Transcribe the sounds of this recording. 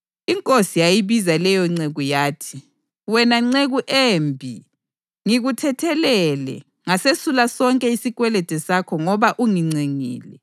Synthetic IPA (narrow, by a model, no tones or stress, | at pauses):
iŋkʼosijajiβizalɛjɔŋ͡ǀeɣujaːtʰi̥ | wɛnaŋ͡ǀeɣuʔembʱḭ | ŋiɣutʰɛtʰɛlɛlɛ̰ | ŋasesulasɔŋkʼɛisiɣwɛlɛd̥ʱɛsakʰɔŋɔβaʔuŋiŋ͡ǀiŋḭːlɛ